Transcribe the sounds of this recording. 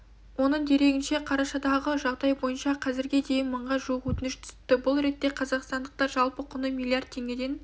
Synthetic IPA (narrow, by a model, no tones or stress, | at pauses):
wonəɴd̪e̞ɾe̞ɡʲɪnʃe̞qʰɑɾɑʃɑd̪ɑʁəʒɑʁd̪ɑjbo̞jənʃɑqʰɑzɪɾɡʲed̪e̞jɪnməɴʁɑʒuwəqwɵt̪ɪnɪʃt̪ʰʏ̥st̪ːɪbʊlˠɾe̞t̪ːe̞qʰɑzɑqst̪ɑnd̪əq̚t̪ɑɾʒɑlˠpəqʰʊnəmilˠijard̪̚t̪ʰe̞ŋɡʲe̞d̪e̞n